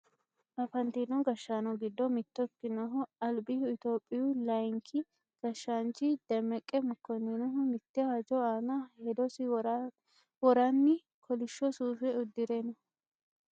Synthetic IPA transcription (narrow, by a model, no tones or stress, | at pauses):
ʔɐfɐnt̪inɔɡɐʃːaːnɔɡɪd̪ːɔmɪt̪ːɔkːɪnɔɦɔɐlbɪhʊɪt̪o̞ːpʼːɪjʊlɐjŋkʰɪ | ɡ̥ɐʃːaːnt͡ʃɪd̪̥ɛmɛkʼːɛmʊkːɔninɔɦɔmɪt̪ːɪad͡ʒɔaːnɐhed̪ɔsɪ | wɔɾanːɪ | kʰɔlɪʃːɔsuːfɛʊd̪ːɪɾenɔ